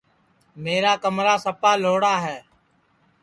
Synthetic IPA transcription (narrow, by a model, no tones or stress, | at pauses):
meːɾaːkəmɾaːsəpaːloːɽaːɦɛː